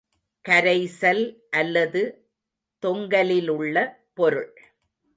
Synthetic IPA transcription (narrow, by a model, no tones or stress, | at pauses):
kɐɾɐɪsɐlʔɐlːɐðɯ | t̪ɔŋɡɐlɪlɯɭːɐ | pɔɾɯɭ